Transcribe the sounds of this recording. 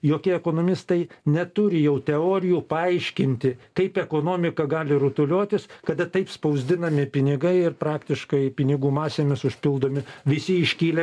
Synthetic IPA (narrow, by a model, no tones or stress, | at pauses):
joːkʲɪɛɛkoːnoːmʲɪst̪ɐɪnʲɛt̪ʊɾʲɪjɛʊt̪ʲɛoːɾʲɪjuːpɐɐɪʃʲkʲɪnʲt̪ʲɪkɐɪpɛkoːnoːmʲɪkɐɡɑːlʲɪɾʊt̪ʊlʲoːt̪ʲɪskɐd̪ɐt̪ɐɪpspɐʊzʲd̪ʲɪnɐmʲɪpʲɪnʲɪɡɐɪɪrpɾɑːkt̪ʲɪʃkɐɪpʲɪnʲɪɡuːmɑːsʲeːmʲɪsʊʃʲpʲɪlˠd̪oːmʲɪʋʲɪsʲɪɪʃʲkʲiːlʲɛ